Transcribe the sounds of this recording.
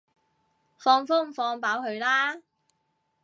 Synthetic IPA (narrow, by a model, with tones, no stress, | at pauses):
fɔː˧ŋfʊː˥m̩˨˩fɔː˧ŋpaː˨˥whɵ˧ɥlaː˥